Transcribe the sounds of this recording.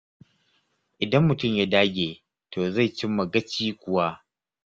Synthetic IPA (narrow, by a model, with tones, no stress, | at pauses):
ʔɪ˨dɐ˦mːʊ˨tʊ˦˨mja˦daː˦ɡʲeː˨ | tʰoː˨za˦˨jt͡ʃɪ˦mːɐ˨ɡɐ˦t͡ʃiː˦kʷʊ˨wa˦